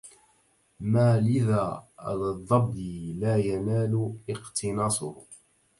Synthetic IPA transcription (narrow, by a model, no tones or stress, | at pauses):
maːlɪða̰ːlðˤːɑbːilaːjanaːlʊɪqt̪ʰɪnɑːsˤʊ